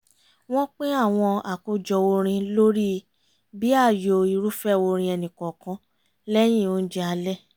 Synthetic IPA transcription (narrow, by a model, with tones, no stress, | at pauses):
w̃ɔ̃˦k͡pẽ˦a˦˨w̃ɔ̃˧a˨ko˨˧d͡ʒɔ˨wo˧ɾ̃ĩ˧lo˦ɾi˦ | bi˦a˦˨jo˧˨i˨ɾu˦fɛ˦˨wo˧ɾ̃ĩ˧ɛ˧nĩ˨kɔ˨kã˧˦ | lɛ˦j̃ĩ˦˨o˨˧˦d͡ʒɛ˦a˧lɛ˦˨